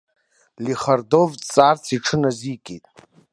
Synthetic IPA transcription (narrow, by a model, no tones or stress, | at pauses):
liχardovt͡sʼart͡sʰiʈ͡ʂʰɨnazikʼitʼ